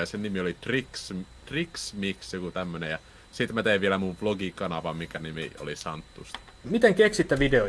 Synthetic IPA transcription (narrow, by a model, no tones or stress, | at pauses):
ɑsennimiolit̪rikst̪riksmiksjokut̪æmːønejɑ | sit̪mæt̪eiʋielæmuʋploɡikɑnɑʋɑmmikænimḭo̰lisɑnt̪ːust̪ | mit̪eŋkeksit̪ːæʋideo